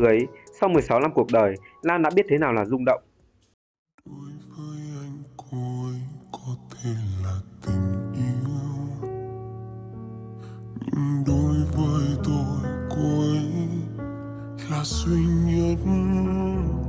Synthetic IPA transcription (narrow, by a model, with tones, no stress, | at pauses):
ʔə˨˦jsa˧wmɨ˨˩əjsa˨˦wna˧mku˨˩ək̚ɗəː˨˩jlaː˧nɗa̰ː˧˥ɓi˦˥ət̚t̪ʰe˨˦naː˨˩wlaː˨˩zʊ˧ŋ͡mɗə̰˧˨wŋ͡mʔ | ɗo˨˦jvəː˨˦jʔa˧jŋ̟kʰo˧ə˨˦jkɔ˨˦t̪ʰe˧laː˨˩t̪ï˨˩ŋ̟ʔi˧˦əw | ɲɨ̰˧˥ŋɗo˨˦jvəː˨˦jt̪o˧jko˧ə˨j | laː˨˩swi˧ɲi˧ət̚